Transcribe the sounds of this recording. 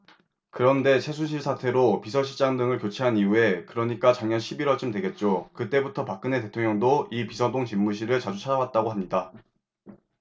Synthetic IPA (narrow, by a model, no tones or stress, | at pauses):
kɯɾʌnde̞t͡ɕʰe̞sʰunɕʰiɭsʰatʰe̞ɾopisʰʌɕʰid͡ʑaŋdɯŋɯɭkjot͡ɕʰeɦaniue̞kɯɾʌɲik͈at͡ɕaŋɲʌnɕʰibiɾwʌɭt͡ɕ͈umdwe̞ɡe̞t̚t͡ɕ͈okɯt͈e̞butʰʌpak̚k͈ɯne̞te̞tʰoŋɲjʌŋdoipisʰʌdoŋt͡ɕimːuɕ̬ʰiɾɯɭt͡ɕad͡ʑut͡ɕʰad͡ʑawat̚t͈aɡoɦamɲida